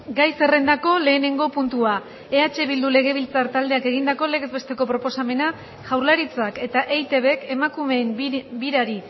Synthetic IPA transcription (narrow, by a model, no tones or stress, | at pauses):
ɡajse̞re̞nd̪ako̞le̞ːne̞ŋɡo̞punt̪ua | e̞at͡ʃe̞βild̪ule̞ɣ̞e̞β̞ilt͡saɾt̪ald̪e̞ake̞ɣind̪ako̞le̞ɣezβe̞st̪e̞ko̞pɾo̞po̞same̞na | ʝawɾlaɾit͡sake̞t̪aʔejt̪e̞βe̞ke̞makume̞ːmbiɾaɾi